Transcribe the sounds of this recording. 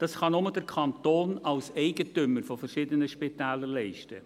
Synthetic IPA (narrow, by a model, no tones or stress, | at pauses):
d̥ɑsχɑnʊmədɛɾkʰɑntoːnɑlsɛɪɡətʏmːəɾfɔfəɾʃɪdənəʃpit̪æːləɾlɛɪʃtə̰